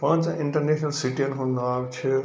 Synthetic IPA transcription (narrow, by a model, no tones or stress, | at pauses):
pãːnt͡siɳʈɐɾnesʰnɐlsiʈiɐnɦũnd̪aːkt͡ʃʰi